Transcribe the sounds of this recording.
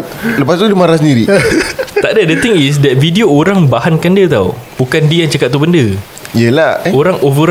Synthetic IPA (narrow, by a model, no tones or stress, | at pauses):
ləpast̪udəmaɾasəndiɾi | t̪aʔdədət̪iŋis̬dɛt̪̚vidioːɾaŋbahankandiət̪aubukandiəjaŋt͡ʃakat̪̚ːubəndə | jəlaoɾaŋovəɾ